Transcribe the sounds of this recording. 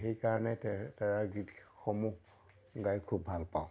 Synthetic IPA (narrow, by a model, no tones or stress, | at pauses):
xejkaɹɔnɛtaɹaɡitxomu | ɡajkʰubːʱalpaʊ̃